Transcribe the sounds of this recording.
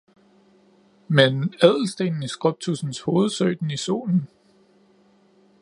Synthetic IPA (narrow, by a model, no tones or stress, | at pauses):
menɛð̞̰ˠl̩sd̥e̝̰ːnn̩isɡ̥ʁɔb̥̚t͡sʰusn̩sho̝ːð̞̩ˠsøɪd̥n̩iso̝̰ːln̩